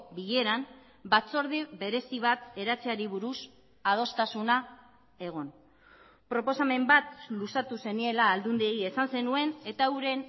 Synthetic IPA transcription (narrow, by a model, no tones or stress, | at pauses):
biʎe̞ɾam | bat͡so̞ɾðiβe̞ɾe̞siβ̞at̪e̞ɾat͡seaɾiβuɾus | að̞o̞st̪asuna | e̞ɣ̞o̞n | pɾo̞po̞same̞mbat̪lusat̪use̞nie̞laːld̪und̪ieie̞sanse̞nue̞ne̞t̪auɾe̞n